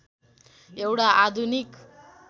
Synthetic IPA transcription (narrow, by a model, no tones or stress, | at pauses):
ewʈaʔad̪ʱunik